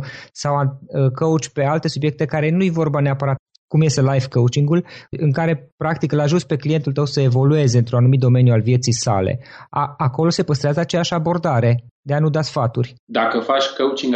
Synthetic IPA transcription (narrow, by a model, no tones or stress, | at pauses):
sawaəkəut͡ʃʲpe̞alt̪e̞subje̞k̚t̪e̞kaɾe̞nujvo̞rbaneapəɾat̪̚ | kumje̞st̪e̞lajfkəwt͡ʃiŋɡulɨŋkaɾe̞pɾak̚t̪ikɨlaʒuspe̞klije̞nt̪ult̪əwsəe̞vo̞lue̞zeɨnt̪ɾunanumit̪̚d̪o̞me̞njualvje̞t̪sijsa̰lḛaako̞lo̞se̞pəst̪ɾeazəat͡ʃejaʃabo̞rd̪aɾe̞d̪e̞anud̪asfat̪urʲd̪akəfat͡ʃʲkəut͡ʃiŋɡ